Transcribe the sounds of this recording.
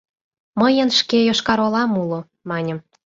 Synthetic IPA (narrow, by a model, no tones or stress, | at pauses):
məjə̆nʃkejoʃkɑɾolɑmulo | mɑnʲə̆m